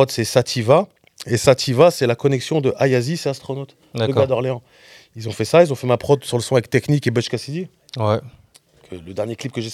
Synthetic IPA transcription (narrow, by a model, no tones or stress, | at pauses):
ɔt̪sɛsat̪ʰiva | esat̪ʰivasɛlakɔnɛksjɔ̃d̪əʔajazisɛast̪χɔnot̪ | d̪ad̪əad̪ɔʁleɑ̃ | ilzɔ̃fɛsailzɔ̃fɛmapχɔd̪syʁləsɔ̃avɛk̚t̪ɛknikebəʃkasid̪i | wɛ | kʰələd̪ɛʁnjeklip̚kəʒe